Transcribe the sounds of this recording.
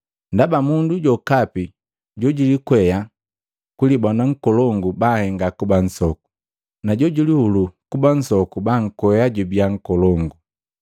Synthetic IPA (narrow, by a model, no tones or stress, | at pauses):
ndabamunduɟɔkapi | ɟɔɟilikwɛja | kulibanaŋ̩kɔlɔŋɡubahɛŋɡakuban̩sɔku̥ | naɟɔɟulihulukuban̩sɔkubaŋ̩kwɛjaɟubiaŋ̩kɔlɔŋɡu